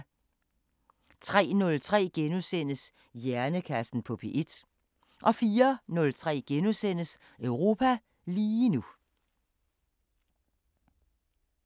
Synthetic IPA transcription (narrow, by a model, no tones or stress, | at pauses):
t͡sʰʁɛ̰ːnɔ̽lt͡sʰʁɛ̰ːɡ̥enusen̰əs | jæɐnəkʰæsn̩pʰɒ̽pʰe̝ʔed̥ | ʔɒ̽fiːɐnɔ̽lt͡sʰʁɛ̰ːɡ̥enusen̰əs | œʊʁo̝ːpʰæ | liːnu